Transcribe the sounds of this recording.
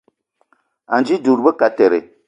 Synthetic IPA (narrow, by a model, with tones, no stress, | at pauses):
a˨nd͡ʒi˦du˨ɾbə˦ka˨tɛ˨ɾɪ̰˨